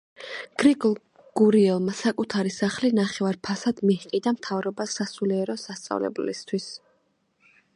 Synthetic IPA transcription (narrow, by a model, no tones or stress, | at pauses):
ɡ̥ɾikʼɔlˠ | ɡ̥uɾiɛlˠmasakʼut̪ʰaɾisaχlinaχɛvaɾpʰasad̪̥mihiqʼid̪amt̪ʰavɾɔbasasuliɛɾɔsast̪sʼa̰vlɛ̰blḭst̪ʰwis